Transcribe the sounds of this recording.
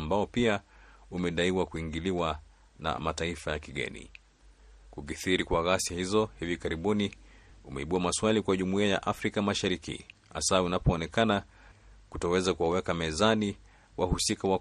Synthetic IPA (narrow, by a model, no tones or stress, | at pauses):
mbaɔpiaumɛɗaiwakuiŋɡiliwa | na̰mataifajakiɠɛ̰nḭ | kukiθiɾikwaɣasiahizɔhivikaɾiɓuniumɛ̰iɓuamaswalikwaʄumuiaja̰ʔafɾikamaʃaɾikḭha̰saunapɔːnɛkana | kutɔwɛzakuwawɛkamɛzani | wahusikawa